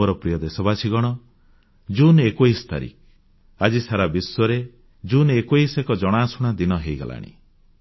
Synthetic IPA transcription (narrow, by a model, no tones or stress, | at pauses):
ɔɾɔpɾijɔd̪esɔbasʰiɡɔɽ̃ɔ | d͡ʒunekojst̪a̰ɾḭk | ad͡ʒisaɾabiswɔɾe | d͡ʒunekojsekɔd͡ʒɔɽ̃aːsuɽ̃ad̪inɔɦejɡa̰la̰ɽ̃ḭ